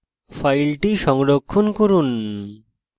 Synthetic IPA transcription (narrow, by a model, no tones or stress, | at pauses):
fajlʈiʃɔŋɾokʰːonkoɾun